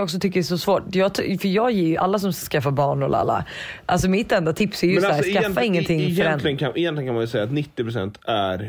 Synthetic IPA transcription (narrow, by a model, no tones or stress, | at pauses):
jɔks̬ɔt̪ʰʏkːədɛsɔsvoːʈjɑːɡt̪ʰfœɾjɑːɡjeːjɵʔa̰lːas̬ɔmsaskafːabɑːɳɛ̰l̰a̰lːa̰ʔals̬ɔmɪt̪ːɛnd̪at̪ʰɪpsæɾjsæːɾskafːaɪŋːənt̪ʰɪŋːfœɾɛnlɪɡnkʰaɪjɛnt̪lɪɡənŋkʰamanjəsɛjːat̪nɪt̪ːɪpɾʊsɛ̰nt̪æɾ